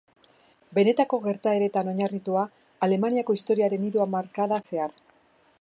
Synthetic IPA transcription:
be̞ne̞t̪ako̞ɣe̞ɾt̪ae̞ɾe̞t̪ano̞ɲarit̪uaː | le̞maniako̞ist̪o̞ɾiaɾe̞niɾuamaɾkaðase̞aɾ

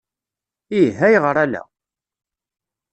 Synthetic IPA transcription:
iɦæjʁəɾˤælæ̰

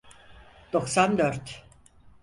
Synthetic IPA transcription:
d̪̥o̞ksand̪øɾt̪ʰ

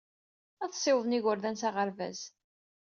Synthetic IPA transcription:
æθsˤːɪwəðˤniʝʊɾðænsaʁəɾvæ̰z

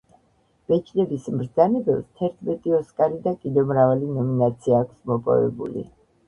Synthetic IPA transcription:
b̥ɛt͡ʃʰnɛbismɾd̪zanɛbɛpst̪ʰɛɾt̪ʰmɛt̪ʼiɔskʼaɾid̪akʼid̪ɛvmɾavalinɔminat̪sʰiaːkʷʰsmɔpʼɔ̰vɛ̰bṵlḭ

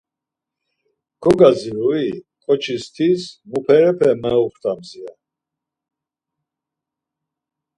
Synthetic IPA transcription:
ɡ̥ɔɡaziɾui | kʼɔt͡ʃʰist̪ʰismupʰɛɾɛpʰɛmɛɔχt̪ʼamzia

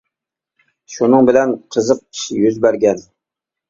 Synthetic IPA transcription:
ʃunɨŋbɪlɛnqʰəzəq̚i̥ʃɪjyzbæɾɡʲɛn

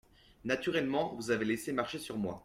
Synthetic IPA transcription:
nat̪yʁɛlmɑ̃vuzavelesemaʁʃesyʁmwa̰

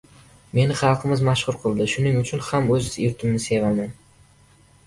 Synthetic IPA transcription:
me̞nɪχɑlˠqʰɨmɪzmaʃχʊɾqʰɨlˠd̪ɪʃʊnɪŋʊt͡ʃʰʊnhamɵzeɾt̪ʰɪmnɪse̞vaman

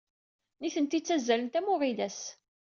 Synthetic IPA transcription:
niθənt̪it͡sːæzːælənt̪æmʊʁiðæs

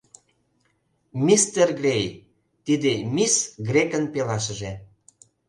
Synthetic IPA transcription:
mist̪erɡrʲej | t̪id̪emisɡrʲekənpelɑʃ̬ə̆ʒe

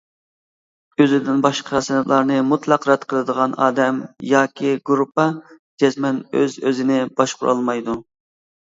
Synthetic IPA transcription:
øzɪd̪ɪnbɑʃqʰɑsɪnɨplˠɑɾnɨmut̪lˠɑqɾɛt̪qʰəlˠɨd̪əʁɑnɑ̰ːd̪ɛmjɑːkʲʰiɡuɾupːɑ | d͡ʒɛzmɛnø̰zøzɪnɪbɑʃqʰʊ̰ɾʔɑ̰lˠmɑjd̪u

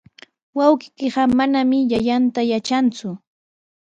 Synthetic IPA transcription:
wɑwɢɪkɪɢɑmanamɪjaʎant̪ajat͡ʃant͡sʊ

